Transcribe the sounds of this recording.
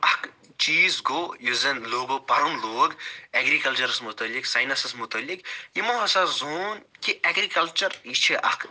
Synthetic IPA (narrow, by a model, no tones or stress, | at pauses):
ɐk | t͡ʃiːzɡojuzɐnloːɡopɐɾunloːɡɐɡɾikɐlt͡ʃɐɾsmʊt̪ɐlːiksɐjnɐsɐsmʊt̪ɐlːikjimɐɦɐsazoːnkiʔɐɡɾikɐlt͡ʃɐɾit͡ʃʰiʔɐ̰k